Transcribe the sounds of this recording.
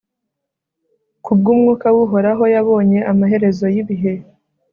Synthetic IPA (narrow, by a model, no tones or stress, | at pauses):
kub̚ɡuːmŋuːkawuɦo̞ɾaɦo̞jaβo̞ːɲe̞ʔamaɦe̞ɾe̞zo̞jiβiɦe̞